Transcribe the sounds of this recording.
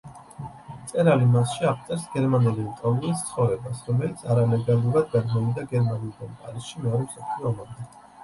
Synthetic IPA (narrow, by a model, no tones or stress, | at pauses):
t̪sʼɛɾalimasʃiap̚ʰt̪sʼɛɾsɡɛɾmanɛliut̪ʼɔlulist̪sʰχɔvɾɛbasɾɔmɛlit̪sʰaɾalɛɡalˠuɾad̪̚ɡad̪mɔlid̪aɡɛɾmaniuld̪anpʼa̰ɾisʃimɛɔɾɛsapʰliɔmaɾd̪ɛ